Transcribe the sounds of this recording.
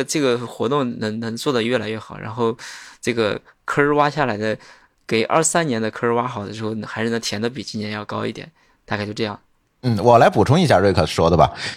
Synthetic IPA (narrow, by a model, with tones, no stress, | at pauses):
ʈ͡ʂɤ˥˩ɡə˩xwɔ˧˥t̪ʊ˥˩ŋnɤ˧˥ŋnɤ˧˥ŋt͡swɔ˥˩d̪ə˩ɥɛ˥˩la˧˥ɪɥɛ˥˩xɑ˨˩˦ʊɻʔa̰˧˥nxo˥˧ʊʈ͡ʂɤ˥˩ɡə˩kʰɤ˥ɻ̩˥˧wa˥ɕja˥˩la˧˥ɪd̪ə˧ | ke˨˩ɪʔɐ̰˞˥˩ʂsa˥njɛ˧˥nd̪ə˧kʰɤ˥ɻ̩˥˧wa˥xɑ˨˩ʊd̪ə˦ʂɻ̩˧˥xo˥˩ʊn˧xɪʂɻ̩˥˩nə˧˩t̪ʰjɛ˧˥nd̪ə˧pi˨˩t͡ɕi˥njɛ˧˥jɑ˥˧ʊkɑ˥ʊi˥˩jɛ̰˨˩˦n | t̪a˥˩kʰt͡ɕo˥˧ʊʈ͡ʂɤ˥˧jɑ˥˩ŋ | n̩˥˩wɔ˨˩la˧˥ɪpu˨˩ʈ͡ʂʰʊ˥ŋi˥˩ɕja̰˥˧ɻwe˥˧ɪkʰɤ˨˩ʂʂwɔ˥d̪ə˨bɐ̰˩